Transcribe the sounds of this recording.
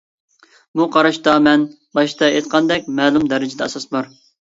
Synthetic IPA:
buqʰɑɾɑʃt̪ɑmɛn | bɑʃt̪ɑet̪qʰɑnd̪ɛkʲmɛːlˠumd̪ɛɾɪd͡ʒɪd̪ɛɛsɑsbɑɾ

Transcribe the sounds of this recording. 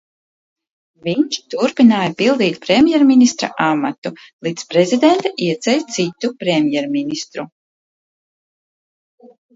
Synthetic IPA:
viɲt͡ʃt̪uɾpinaːjapilˠd̪iːt̪pɾemʲjɛɾminist̪ɾa̰ʔamat̪ulˠit̪spɾezid̪ent̪aʔiɛt̪sɛlʲsit̪ːupɾemʲjɛɾminist̪ɾu

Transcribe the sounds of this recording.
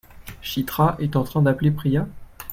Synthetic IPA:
ʃit̪χaʔɛt̪ɑ̃t̪χɛ̃d̪aplepχia

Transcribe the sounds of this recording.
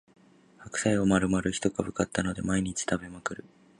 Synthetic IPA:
hakɯ̟̥saio̞maɾɯ̟maɾɯ̟çi̥t̪o̞kabɯ̟kat̪ːano̞d̪e̞maiɲ̟it͡ɕi̥t̪abe̞makɯ̟ɾɯ̟

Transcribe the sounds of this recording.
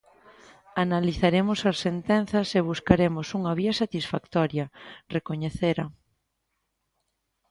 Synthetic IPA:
analiθaɾemosɐsːent̪ɛnθɐseβ̞uskaɾemosuŋaβiɐsat̪isfakt̪ɔɾjɐrekoɲeθeɾɐ

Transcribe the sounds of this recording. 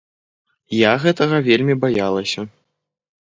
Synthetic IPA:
jaɣɛt̪ɐɣɐvʲelʲmʲibajalˠɐsʲɐ

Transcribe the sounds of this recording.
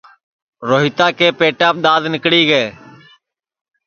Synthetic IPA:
ɾoːɦɪt̪aːkeːpeːʈaːp̚ɗ̪aːd̪nɪkɽiːɡəeː

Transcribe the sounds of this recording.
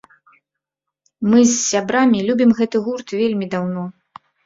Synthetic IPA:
mɨsːʲabɾamʲilʲubʲimɣɛt̪ɨɣurt̪vʲelʲmʲid̪awnɔ

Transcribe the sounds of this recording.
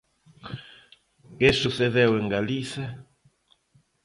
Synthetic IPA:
kesuθeðeweŋɡaliθja

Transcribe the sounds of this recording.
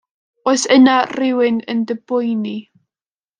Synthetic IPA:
oɨsənarɪwɪnə̰ndəbʊjni

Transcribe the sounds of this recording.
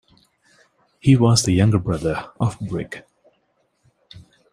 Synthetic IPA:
hiwʌzðɨjʌ̃ŋɡə˞bɹʌðə˞əvbɹɪk

